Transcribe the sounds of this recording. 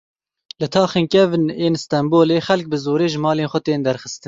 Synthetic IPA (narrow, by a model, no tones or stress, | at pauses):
lɨt̪ʰɑːxeːnkɛvɨneːnst̪ɛmboːleːxɛlk̚bɨzoːɾeːʒɨmɑːleːnxʷɛt̪eːnd̪ɛɾxəst̪ɨn